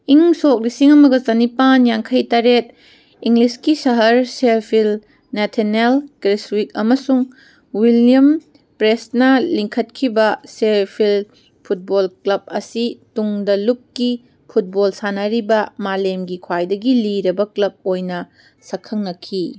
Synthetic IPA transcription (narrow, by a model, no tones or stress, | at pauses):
iŋsok̚lisiŋɐmɐɡɐzɐnipanjaŋkʰɐjtaɾet̚ | iŋliskisɐɦɐɾseɾpʰil | netʰenelkɾeswik̚ɐmɐsuŋ | wilijɐm | pɾesnɐliŋkʰɐt̚kʰibɐseɾpʰil | pʰut̚bolklɐb̚ɐsituŋdɐlukːi | pʰut̚bolsanɐɾibɐmalemɡikʰwajdɐɡiliɾɐbɐklɐb̚ojnɐ | sɐkʰːɐŋnɐkʰi